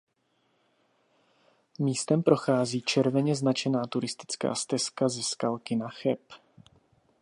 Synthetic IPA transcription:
miːst̪ɛmpɾo̞xaːziːt͡ʃɛɾvɛɲɛznat͡ʃɛnaːt̪uɾɪst̪ɪ̥t͡ska̰ːst̪ɛskazɛskalkɪnaxɛp

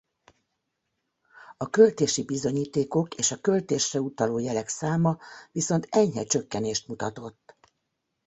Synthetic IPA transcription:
ɒkø̞lt̪eːʃibizo̞ɲiːt̪eːko̞keːʃɒkø̞lt̪eːʃrɛut̪ɒloːjɛlɛksaːmɒviso̞nt̪ɛɲɦɛ̰t͡ʃø̞kːɛneːʃt̪mut̪ɒt̪o̞t̪ː

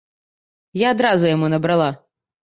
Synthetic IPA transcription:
jaːd̪ɾazʊjamunɐbɾalˠa

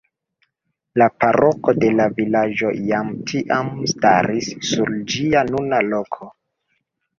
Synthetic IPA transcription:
lapaɾoko̞de̞lavilad͡ʒo̞jamtʰiʔamsta̰ɾisːuɾd͡ʒianunalo̞kʰo̞

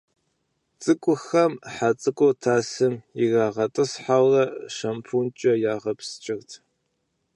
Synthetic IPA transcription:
t͡sʼɨkʷʼʊxɐmħat͡sʼɨkʷʼotʰaːsɨmɪɣaːʁɐtʼɨsħawrɐʃɐmpʰunt͡ʃʼɐjaːʁɐpst͡ʃʼɪɣtʰ

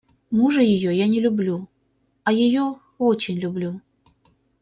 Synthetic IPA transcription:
muʐɨjɪjojanʲɪlʲʊblʲu | ɐjɪjo | ot͡ɕɪnʲlʲʊblʲu

